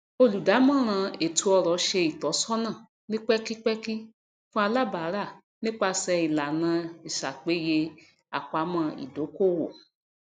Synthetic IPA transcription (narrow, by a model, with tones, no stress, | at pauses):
o˧lu˨da˨˦mã˦˨ɾ̃ã˧e˨tʰu˧˦ɔ˧ɾɔ˨˧ʃe˧i˨tɔ˨˦sɔ˦nã˦˨ | nĩ˦k͡pɛ˦ki˦k͡pɛ˦ki˦ | fũ˦a˧la˦ba˨˦ɾa˦˨ | nĩ˦k͡pa˧sɛ˧i˨la˨nã˧i˨ʃa˨k͡pe˨˦je˧ | a̰˨k͡pa˨˦mã˧ḭ˨do˨˦ko˦˨wo̰˨